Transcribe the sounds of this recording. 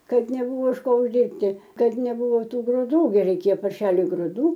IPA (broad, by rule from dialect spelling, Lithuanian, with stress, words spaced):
ˈkɐt nʲɛˈbuːʋoː ɪʃ ˈkoː ʊʒʲˈdʲiːrʲpʲtʲɪ ˈkɐt nʲɛˈbuːʋoː ˈtuː ɡrʊˈduː ˈɡʲɪ rʲɛɪˈkʲeːjoː pɐrʲˈʃʲæːlʲʊɪ ɡrʊˈduː